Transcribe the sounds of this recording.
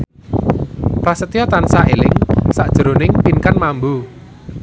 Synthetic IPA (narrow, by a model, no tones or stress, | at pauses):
pɾasət̪ijɔt̪ansaʔelɪŋsaʔd̥ʒ̥əɾo̤nɪŋpinkanmambu